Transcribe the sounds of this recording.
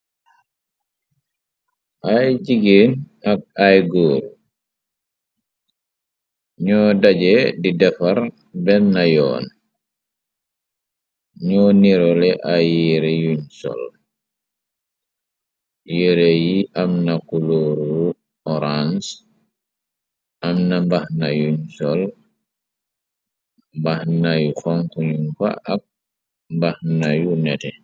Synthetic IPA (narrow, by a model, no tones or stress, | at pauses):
ʔajd͡ʒiɡen | ak̚ajɡoːɾ | ɲɔːdad͡ʒɛdidɛfaɾ | bɛnːajɔ̰ːn | ɲɔniɾɔlɛʔajiɾɛjuɲsɔ̰l | jiɾɛjiʔamnakuloɾu | ɔɾans | ʔamnambahnajuɲsɔl | mbahnajuxɔŋkuɲunfa̰ʔak̚ | mbahnajunɛtɛ